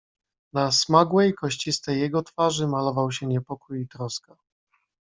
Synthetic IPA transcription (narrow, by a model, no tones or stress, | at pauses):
nasmaɡwɛjkɔɕt͡ɕist̪ɛjːɛɡɔt̪faʐɘmalɔvawɕɛɲɛpɔkujit̪ɾɔska